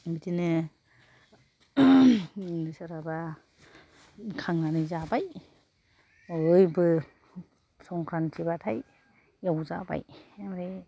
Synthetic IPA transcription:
mitinɯ | nsaɾaba | kʰaŋnanɯzabaj | jbɯ | sɔŋkʰɾantʰibatʰaj | jawza̰ba̰jmaɾej

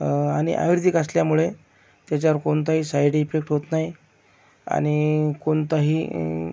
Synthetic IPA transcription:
aɽ̃ḭʔa̰ʋjɾd̪ʱikəsljamuɭe | t̪jat͡ɕjaɾkont̪̬aɦiːsajʈiefek̚ʈɦot̪naj | a̰ɽ̃ikoɳt̪aɦiː

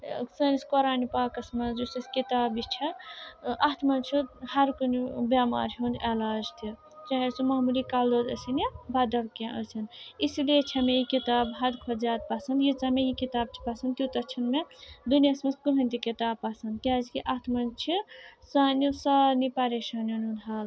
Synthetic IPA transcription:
sɐniskoɾaːnipaːkɐsmɐnusɐskit̪aːbit͡ʃʰiʔat̪ʰmɐnt͡ʃʰihɐɾkunibama̰ːɾɦund̪elaːd͡ʒt̪ʰi | t͡ʃaɦesumɐɦmulikaːld̪od̪ɐsinibad̪ɐʋkẽʔə̰sʰɐnisilet͡ʃʰamejikit̪aːbɦɐd̪kʰod͡ʒaːt̪̚pɐsɐnd̪jit͡samejikit̪aːb̚t͡ʃʰi̥pɐsɐnd̪t̪jut̪ɐt͡ʃʰɐnmed̪uniɐsmɐskuɦɐnt̪ikit̪aːb̚pasɐnd̪k̪jazkiʔat̪ʰmɐnt͡ʃʰisaːnjusaːnipɐɾeʃaːnjonũd̪ɦaːl

